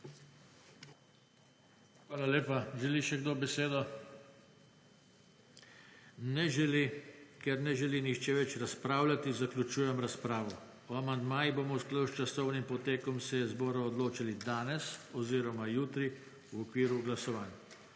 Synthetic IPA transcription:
xʋaːlaleːpaʒɛliʃɛɡd̪oːbɛseːd̪ɔ | nɛʒɛlikɛɾnɛʒɛlinixt͡ʃɛʋɛt͡ʃɾaspɾaːwlʲat̪izaklʲut͡ʃuːjɛmɾaspɾaːʋɔ | ɔamand̪maːjiboːmɔsklawʃt͡ʃasɔwnimpɔt̪eːkɔmsɛɛzbɔːɾɔɔd̪loːt͡ʃilid̪aːnɛsɔziːɾɔmajuːt̪ɾi | wɔkʋiːɾuɡlasɔʋaːnj

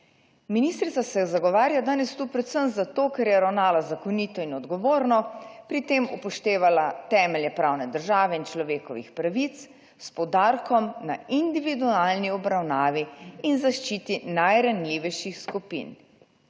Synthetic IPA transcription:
miniːst̪ɾit̪sasɛjɛzaɡɔʋaːɾjad̪aːnɛst̪upɾɛt̪səmzat̪oːkɛɾjɛɾawnaːlazakɔnit̪ɔinɔd̪ɡɔʋoːɾnɔpɾit̪emupɔʃt̪eːʋalat̪ɛːmɛljɛpɾaːwnɛd̪əɾʒaːʋɛint͡ʃlɔʋeːkɔʋḭxpɾaʋit̪s | spɔd̪aːɾkɔmnaind̪iʋid̪ualniɔbɾawnaːʋiinzaʃt͡ʃiːt̪inajɾanliːʋɛjʃixskupḭn

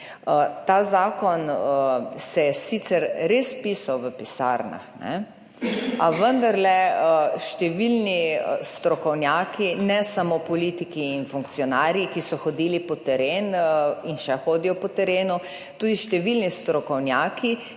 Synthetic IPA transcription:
ət̪aːzaːkɔnəsɛsit̪sɛɾɾespiːsawʋəpisa̰ɾna̰xnɛ̰ | aʋənd̪aɾlɛəʃt̪ɛʋilnist̪ɾɔkɔwnjaːkinɛsamopɔlit̪ikiːnfuŋktsijɔnaːɾjikisɔxɔd̪iːlipɔt̪ɛɾeːninʃɛxoːd̪ijɔpɔt̪ɛɾeːnu | t̪uːd̪iʃt̪ɛʋilnist̪ɾɔkɔwnjaːki

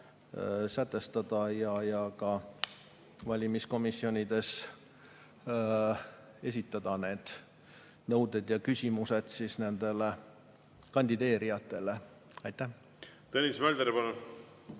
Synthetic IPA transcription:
sæt̪ːˑe̞st̪ɑd̪̥ɑjɑjɑkɑ | vɑlʲimisko̞misːio̞nʲid̪̥e̞s | e̞s̬ʲit̪ːˑɑd̪̥ɑne̞ːd̪̥ | nɤwd̪e̞d̪̥jɑkysʲimuse̞d̪sisne̞nd̪̥e̞le | kɑnʲd̪̥id̪e̞ːɾijɑt̪ːˑe̞le̞ | ɑjt̪ːæh | t̪enʲismæld̪eɾepɑnu

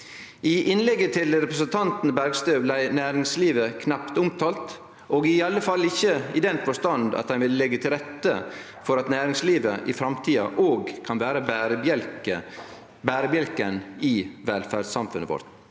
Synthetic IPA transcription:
ɪʔɪnlɛɡːət̪ʰɪlɾɛpɾəsənt̪ʰɑnt̪n̩bæɾɡst̪øːʋlæɪnæːɾɪŋsliːʋəkʰnɑpt̪ʊmt̪ʰɑːlt̪ | ʔoːɡɪɑlːəfɑlːɪçːəɪd̪ɛnfɔst̪ɑnd̪ɑ̰t̪hɛɪnʋɪləlɛɡːət̪ʰɪlɾɛt̪ːə̰ | fɔɾɑt̪næːɾɪŋsliːʋəʔɪfɾɑmt̪ʰiːɑ̰ʔoːɡkʰɑnʋæːɾəbɾəɛlkə | bæːɾəbjɛlkənɪʋɛlfæɖsɑmfʉnə̰ʋɔ̰ɾt̪

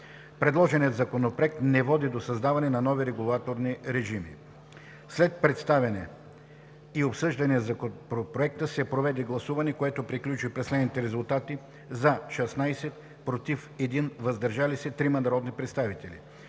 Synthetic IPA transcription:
pɾɛd̪lˠɔʒɛniət̪zɐkonopɾoɛk̚t̪nɛvɔd̪id̪osɐzd̪avɐnɛnɐnɔviɾɛɡulˠat̪oɾniɾɛʒimḭ | slɛt̪̚pɾɛt̪st̪avɛnɛ | iopsɤʒd̪ɐnizɐkopopɾoɛk̚t̪əsɛpɾovɛd̪ɛɡlˠɐsuvɐnɛkoɛt̪opɾiklʲut͡ʃipɾɛslɛd̪nit̪ɛɾɛzulˠt̪at̪i | zɐʃɛsnajsɛt̪ | pɾot̪ifɛd̪invɐzd̪ɐɾʒalisɛt̪ɾimɐd̪ɐɾɔd̪nipɾɛt̪st̪avit̪ɛlḭ

